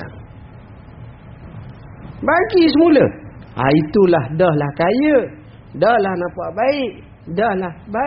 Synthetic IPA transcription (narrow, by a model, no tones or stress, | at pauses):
a̰ | baɡisəmulə̰a̰it̪ulahdɔhlahkajə | dɔhlahnãpaʔbaɪʔ | dɔhlahba